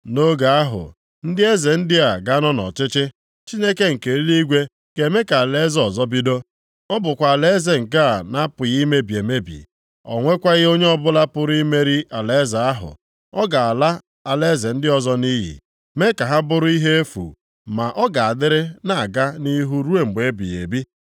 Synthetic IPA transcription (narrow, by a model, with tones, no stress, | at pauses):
no˦ɡa˨a˦ɦʊ̰˨ | n̩˦dɪ˦e˦ze˨n̩˦dɪ˦a˨ɡa˦nɔ˦nɔ̰˨t͡ʃɪ˦t͡ʃɪ˦ | t͡ʃi˦ne˦ke˦ŋ̩˨ke˨ɾi˦li˦ɡʷe˦ | ɡ̥e˨me˦ka˨a˨le˦zɔ˨zɔ˦bi˦do˦ | ɔ˦bʊ˨kʷa˨a˨le˦ze˨ŋ̩˨ka˦a˨na˦pʊ˨ɣi˦me˦bi˨e˨me˦bḭ˨ | ɔ̰˨ŋʷe˦kʷa˦ɣɪ˦o˦ɲe˦ɔ˦bʊ˦la˦pʊ˦ɾi˦me˦ɾi˦ʔa˨le˦za˨a˦ɦʊ̰˨ | ɔ˦ɡa˨a˨la˦ | a˨le˦ze˨n̩˦dɪ˦ɔ˦zɔ˦ni˦ɦḭ˨ | me˦ka˨ɦa˦bʊ˦ɾʊ˦i˦ɦe˦e˦fṵ˨ | ma˨ʔɔ˦ɡa˨a˨dɪ˦ɾɪ˦na˦˨a˨ɡa˦ni˦ɦu˦ɾu˦e˨ŋ͡m̩˨ɡ͡be˨˦bḭ˨jḛ˨bi˦